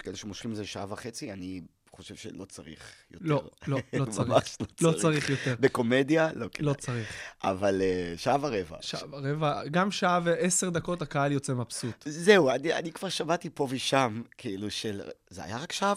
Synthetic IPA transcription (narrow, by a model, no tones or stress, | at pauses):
keleʃemoʃχimlzeʃaavaχet͡siani | χoʃev̥ʃḛlo̞t͡saʁḭχjoleʁloot͡saʁaʃlolo̞t͡saʁiχjo̞t̪eʁbeko̞med̪jaloklot͡saʁiχa̰valeʃaavaʁeva̰ʃaavaʁevaɡamʃaveese̞ʁd̪ako̞t̪akaaljo̞t͡semapsut̪zeuania̰nikv̥aʁʃamat̪ipo̞viʃamkʰiiluʃelzea̰jaʁakʃaav